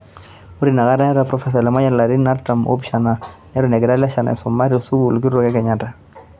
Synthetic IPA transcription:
u˦ɾi˨na˨ka˦ɾa˦ɾa˨pɾɔ˨fɛ˦s̬a˨lɛ˨ma˦ja˦la˨ɾi˦na˦ɾta˨mʔo̰˦bʃa˨na˨nɛ˦ɾʊ˦˨nɛ˨ɡɪ˨ɾa˦la˦ʃa˨na̰˨ɪ˨sʊ˨ma˦ɾɔ˨su˦bu˨lki˦ɾɔ˦kɛ˦kɛ˨ɲa˨ta˨

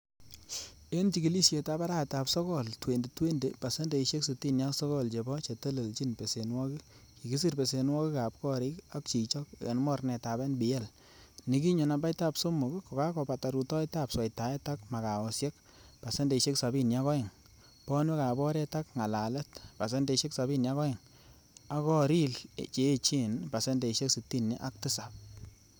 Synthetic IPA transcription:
e˦nt͡ʃi˨ki˨li˦sje˨ta˦ba˦ɾa˦˨ta˨psɔ˦kɔ˦˨ltwe˨nde˨twe˦nde˨pa˨se˦nde˨i˨ʃe˦ksu˨ti˦nja˦sɔ˦kɔ˦˨lt͡ʃe˨bɔ˦t͡ʃe˨te˦le˨lt͡ʃi˦npe˨se˨nwɔ˦ki˦ki˨ki˦s̬i˦ɾpe˨se˨nwɔ˦ki˦ka˨p̚kɔ˦ɾɪ˦ka˦k̚t͡ʃi˨t͡ʃɔ˦kḛ˨nmɔ˦rnɛ˨ta˨bɛ˦nbɪ˨jɛ˦˨l | ni˦ki˦ɲo˨na˨ba˦jta˦pso˦mʊ˨kkɔ˨ka˦kɔ˨pa˨ta˨ɾu˨tɔ˦i˦ta˦pswa˨jta˨ɛ˦ta˦kma˨ka˨ɔ˨sje˦k̚ | pa˨se˦nde˨ʃe˦ksa˨bi˦nja˦kɔ˦ɪ˨ŋ | pɔ˦nwɛ˦ka˨bɔ˦ɾɛ˦ta˦kŋa˨la˨lɛ˦tpa˨s̬e˦nde˨ʃe˦ksa˨bi˦nja˦kɔ˦ɪ˨ŋ | a˦kɔ˦ɾi˦lt͡ʃeː˨˦t͡ʃi˦npa˨se˦nde˨i˨ʃe˦ksi˨tːi˦nːi˦ʔa˦k̚tɪ˦sa˨p̚

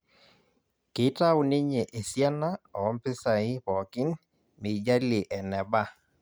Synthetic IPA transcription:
kɪ˨˦ta˦ʊ˨nɪ˦ɲe˨ʔe˨sja˦na˦ɔ˨ɔ˦mpɪ˦sa˨ɪ˦pɔ˨kɪ˦n | mɪ˨d͡ʒa˦lɪ˨ʔɛ˨nɛ˨ba˦

